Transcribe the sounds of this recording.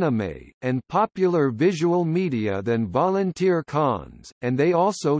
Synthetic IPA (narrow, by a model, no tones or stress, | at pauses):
nəmḛɪɨ̃npʰɑpjl̩ˠə˞vɪʒəwl̩ˠmiɾiɨ̰ðɨ̃nvɑlˠɨ̃ntʰɪɹkʰɑ̰̃nz̥ɨ̃nðeɪɔlˠsoʊ